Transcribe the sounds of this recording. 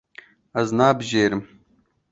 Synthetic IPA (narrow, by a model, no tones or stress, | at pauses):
ɐznaːbʑeːɾm